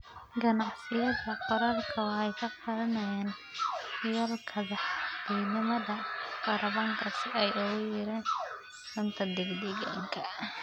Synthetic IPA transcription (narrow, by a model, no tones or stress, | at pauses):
ɡɐnɑʕsɪjɐðɐqɔɾɐrkʰɐwħɛjkʰɐqɑɾɐnɐjaːn | jɐlkʰɐðɑħd̪̥ɛɡnɪmɐðɐqɑɾɐβɐŋkʰɐsɪɛjʊɣʊjɪɾɛːn | sɐnt̪ʰɐd̪ɛɡd̪ɛɣa̰ːŋkʰɐ